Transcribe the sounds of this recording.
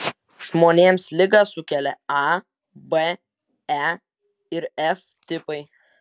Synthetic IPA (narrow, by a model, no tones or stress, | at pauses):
ʒmoːnʲeːmslʲɪɡɐsʊkʲɛlʲɛɑ | bɛ | ɛ | ɪɾɛf | t̪ʲɪpɐɪ